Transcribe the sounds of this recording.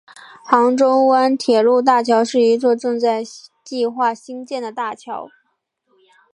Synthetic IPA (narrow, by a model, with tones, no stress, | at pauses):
xɑ˧˥ŋʈ͡ʂo˥ʊwa˥nt̪ʰjɛ˨˩lu˥˧t̪̬a˥˩t͡ɕʰjɑ˧˥ʊʂɻ̩˥˩i˧˥t͡swɔ˥˧ʈ͡ʂɤ˥˧ŋt͡sa˥˧ɪt͡ɕi˥˧xwa˥˩ɕi˥ŋt͡ɕjɛ˥˩nd̪ə˩t̪a˥˩t͡ɕʰjɑ˧˥ʊ